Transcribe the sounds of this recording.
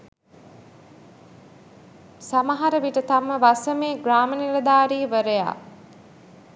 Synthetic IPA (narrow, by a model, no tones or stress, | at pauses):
samaɦaɾəʋiʈət̪aməʋasəmeːɡraːməniɾəd̪aːɾiːʋəɾəja̰ː